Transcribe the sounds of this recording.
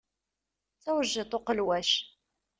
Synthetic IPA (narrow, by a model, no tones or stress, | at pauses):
t͡sːæwəʒːɪt̪ˤoqəlwæʃ